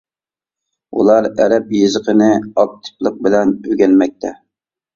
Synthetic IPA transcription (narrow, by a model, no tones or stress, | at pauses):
ṵlˠɑɾæ̰ɾɛpjizəqʰənɪɑk̚t̪ʰɨ̥plˠəq̚bɪlɛnøɡʲɛlmɛk̚ʲt̪ʰɛ